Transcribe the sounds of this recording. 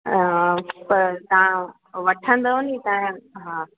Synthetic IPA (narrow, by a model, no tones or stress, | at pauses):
pɐɾt̪ɐʋã | ʋɐʈʰə̃nd̪aɦunit̪ɐ̃ɦãː